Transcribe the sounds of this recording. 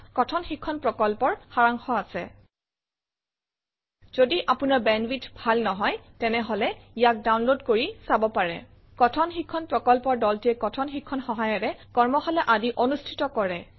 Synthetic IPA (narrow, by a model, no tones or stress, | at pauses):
kɔtʰɔnxikʰːɔnpɹɔkɔlpɔɹxaɹaŋxɔasɛ | z̥odiʔapunaɹbɛnwitbʱalnɔɦɔjtɛnɛɦɔlɛijak̚dawnlodkoɹisabɔpaɹɛ̰ | kɔtʰɔnxikʰːɔnpɹɔkɔlpɔɹdɔltiɛkɔtʰɔnxikʰːɔnxɔɦajɔɹɛkɔɹmɔxalɛʔadiʔonustʰi̥tɔkɔɹɛ